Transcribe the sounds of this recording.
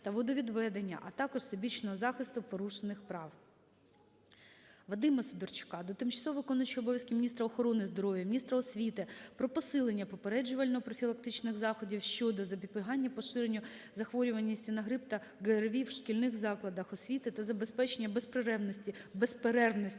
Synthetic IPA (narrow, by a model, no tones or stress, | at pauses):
t̪ɐʋɔd̪ɔʋʲid̪ʋɛd̪enʲːɐ̰ʔɐt̪ɑkɔʒ̥sɪbʲit͡ʃnɔɦɔzɑxɪst̪ʊpɔɾuʃenɪxpɾɑw | ʋɐd̪ɪmɐsed̪ɔrt͡ʃʊ̥kɑd̪ɔt̪ɪmt͡ʃɐsɔʋɐɪkɔnʊt͡ʃijɔbɔʋjɐskɪmʲnʲist̪ɾɐɔxɔɾɔnɪzd̪ɔɾɔʋʲjɐmʲnʲist̪ɾɐɔsʲʋʲit̪ɪpɾɔpɔsɪlˠenʲːɐpɔpeɾɛd͡ʒʊʋɐlʲnɔpɾɔfʲilˠɐk̚t̪ɪt͡ʃnɪɣzɑxɔdʲiwʃt͡ʃɔd̪ɔzɐpʲipɪɦɑnʲːɐpɔʃɪɾenʲːʊzɐxʋɔɾʲʊʋɐnʲːisʲtʲinɐɦɾɪpt̪ɐ | ɡɛrʋʲiwʃkʲilʲnɪxzɑklˠɐd̪ɐxɔsʲʋʲit̪ɪt̪ɐzɐbespɛt͡ʃenʲːɐbespɾɪɾɛwnɔsʲtʲibespeɾɛrnɔsʲ